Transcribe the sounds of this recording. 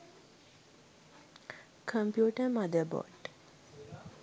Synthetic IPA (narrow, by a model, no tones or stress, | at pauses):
kʰə̃mpjuːʈəmad̪əbɔ̰ɖ